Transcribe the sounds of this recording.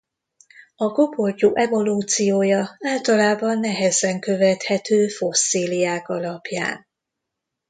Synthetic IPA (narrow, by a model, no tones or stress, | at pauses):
ɒɡoporcoːʔɛvo̞luːt̪sijoːjɒaːlt̪ɒlaːbɒnːɛɦɛzɛŋkøvɛt̪hɛt̪øːfo̞sːiːlijaːkɒlɒpja̰ːn